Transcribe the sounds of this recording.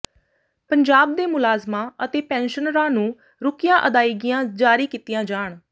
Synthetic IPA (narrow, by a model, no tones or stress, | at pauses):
pəɲd͡ʒaːb̚d̪eːmʊlaːzmãːʔət̪eːpɛ̃ːnʃənɾãːnũː | ɾʊkɪjãːʔəd̪aːiːɡɪjãːd͡ʒaːɾiːkiːt̪ɪjãːd͡ʒaːɳ